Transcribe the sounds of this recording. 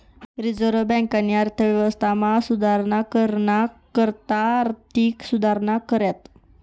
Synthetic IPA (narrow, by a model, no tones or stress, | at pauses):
ɾid͡zəɾəbɛ̃ŋkanːiaɾt̪ʰəʋjɛʋəst̪ʰamasud̪ʱaɾɳakəɾɳakəɾt̪aːɾt̪ʰiːksud̪ʱaɾɳakəɾjat̪